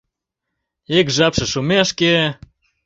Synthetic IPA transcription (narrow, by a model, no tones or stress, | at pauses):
ekʒɑpʃɤ̆ʃumeʃke